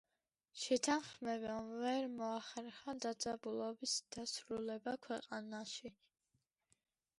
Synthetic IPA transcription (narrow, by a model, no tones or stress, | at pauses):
ʃɛt̪ʰanχmɛbamvɛɾmɔaχɛɾχad̪ad̪zʼabulˠɔbisd̪̥asɾulɛbakʰwɛqʼanaʃi